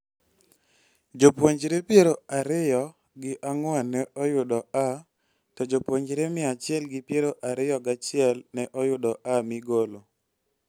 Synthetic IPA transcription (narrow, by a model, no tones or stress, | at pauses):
d͡ʒopwoɲd͡ʒɾepjeɾoaɾɪjɔ | ɡɪʔaŋwanɛɔjʊdɔa | tɔd͡ʒopwoɲd͡ʒɾemɪat͡ʃɪɛlɡɪpjeɾoʔaɾɪjɔɡat͡ʃɪɛlnɛʔɔjʊdɔʔamiɡolo